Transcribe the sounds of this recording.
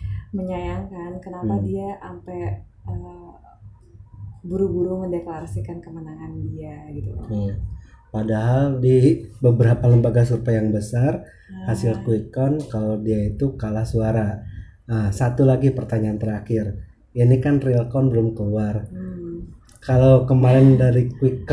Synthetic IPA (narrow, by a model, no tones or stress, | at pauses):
məɲajaŋkankənapadiaʔampɛ | ə | buɾuɡuɾuməndeklaɾasikankəmənaŋandiaɡit̪uijapadaɦaldibəbəɾapaləmbaɡas̬urpajaŋbəsar | hasɪlkuikɔnkaladiait̪ukalahsuaɾa | əsat̪ulaɡipərt̪aɲaːnt̪əɾakɪr | inikanrilkɔnbəlʊmkəluar | kalawkəmalɪndaɾikwik